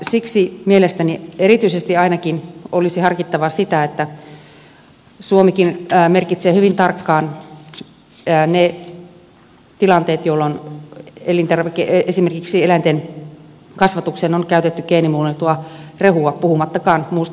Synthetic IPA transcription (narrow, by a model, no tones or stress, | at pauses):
siksimielest̪ænieɾit̪yisest̪iɑinɑkinolisihɑrkit̪ːɑʋɑsit̪æet̪ːæ | suomikinmerkit̪seːhyʋint̪ɑrkːɑːn | ne | t̪ilɑnt̪eːt̪jolːon | elint̪erʋekeesimerkiksielænt̪en | kɑsʋɑt̪uksenonkæyt̪et̪ːykeːnimuːlet̪uɑrehuɑpuhumɑt̪ːɑkɑːnmuːs